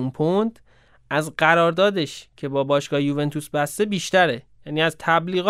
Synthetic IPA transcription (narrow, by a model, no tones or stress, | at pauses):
unpʰond̪ | ʔæzɢæɾɒːɾd̪ɒːd̪eʃcʰe̞bɒːbɒːʃɡɒːhejuːve̞nt̪ʰusbæst̪e̞biːʃt̪æɾejæːniːæzt̪ʰæbliːɣː